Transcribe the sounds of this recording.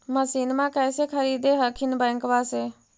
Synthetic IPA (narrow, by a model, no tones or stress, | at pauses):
məsiːnmãːkɛːseːkʰəɾiːd̪eːɦəkʰinbə̃ːŋkʋaːseː